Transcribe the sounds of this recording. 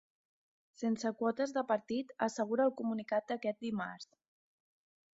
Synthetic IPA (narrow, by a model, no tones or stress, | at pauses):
sensəkwɔt̪əzðəpəɾt̪it̪əsəɣ̞uɾəːlˠkumunikat̪̚d̪əkɛt̪̚d̪ima̰ɾs